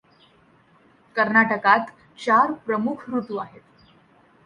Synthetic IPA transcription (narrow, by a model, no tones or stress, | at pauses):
kəɾnaʈəkat̪ | t͡ɕaɾpɾəmukʰɾut̪uaɦet̪